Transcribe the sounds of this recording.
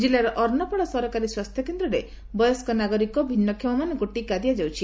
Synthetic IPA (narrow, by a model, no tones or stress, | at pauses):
d͡ʒilaɾɔʔɔɾnɔpɔɭ̃ɔsɔɾɔkaɾiswast̪ʰjɔkend̪ɾɔɾe | bɔjɔskɔnaɡɔɾikɔbʱinːɔkʰjimɔmanɔŋkuʈikad̪ijad͡ʒawt͡ʃʰi